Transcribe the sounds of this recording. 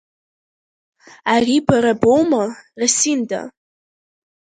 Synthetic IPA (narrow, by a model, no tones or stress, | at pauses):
aribaɾabowmarasinda̰